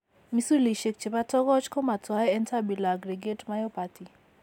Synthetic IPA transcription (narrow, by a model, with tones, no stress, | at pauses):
mi˦su˦li˨ʃe˨k̚t͡ʃe˨pa˦tɔ˦ɡɔ˦t͡ʃkɔ˦ma˨twa˨˦ɛɛ˦nta˦bi˨laː˨ɡɾe˨ɡe˦tma˦jo˦pa˨tʰi˨